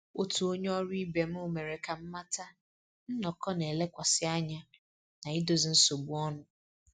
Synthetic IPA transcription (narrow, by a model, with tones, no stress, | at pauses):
o˦tu˨o˦ɲe˦ɔ˦ɾi˦be˨m̩˦ʊ˦me˨ɾe˨ka˨m̩˦ma˦ta˦ | n̩˦nɔ˨kɔ˦ne˨le˦kʷa˨sɪ˦a˦ɲa˦ | na˨i˦do˨zi˨n̩˦so˨bu˦ɔ˦nʊ˦